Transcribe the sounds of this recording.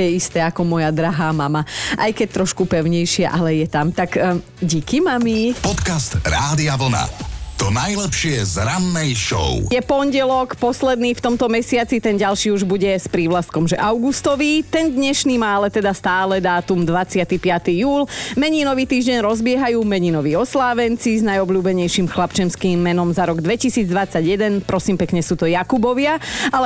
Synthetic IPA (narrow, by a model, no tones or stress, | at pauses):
jɛist̪ɛːakɔmɔjad̪ɾaɦaːmamaʔa̰jkɛc̚t̪ɾɔʃkupɛʊɲɛjʃɪɛʔalɛjɛt̪amt̪ak | ɟiːkimamipɔt̪kast̪ɾaːd̪iaʋl̩na̰t̪ɔnajlɛpʃɪɛzɾanːɛjʃɔ̰ʊjɛpɔnɟɛlɔkpɔslɛd̪niːft̪ɔmt̪ɔmɛsɪat͡sit̪ɛnɟalʃiːuʒbuɟɛspɾiːʋlast̪̚kɔmʒɛʔaʊɡust̪ɔʋit̪ɛnd̪ɲɛʃniːmaːalɛt̪ɛd̪ast̪aːlɛd̪aːt̪umd̪ʋat͡sɪat̪ipɪat̪ijuːlmɛɲinɔʋiːt̪iːʒɟɛɲɾɔzbɪɛɦajuːmɛɲinɔʋiːɔslaːʋɛnt͡siznajɔbʎuːbɛɲɛjʃiːmxlapt͡ʃɛmskiːmːɛnɔmzaɾɔɡd̪ʋɛcisiːd͡zd̪ʋat͡sːaɟjɛd̪ɛnpɾɔsiːmpɛkɲɛsuːt̪ɔjakubɔʋɪaalɛ